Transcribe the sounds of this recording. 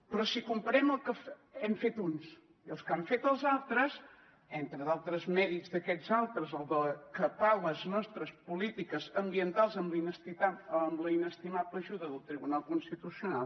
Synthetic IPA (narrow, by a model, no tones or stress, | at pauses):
pɾɔsikumpəɾɛməlˠkəf | ɛmfet̪uns | iəlˠskaɱfet̪əlˠzalˠt̪ɾəz | ent̪ɾəðalˠt̪ɾəzmɛɾizðəkɛzalˠt̪ɾəzəlˠd̪əkəpaləznɔst̪ɾəspulit̪ikəzəmbiənt̪alˠzəmlinəst̪it̪aəmləinəst̪imapəʒuðəðəlˠt̪ɾiβunalˠkunst̪it̪usiunalˠ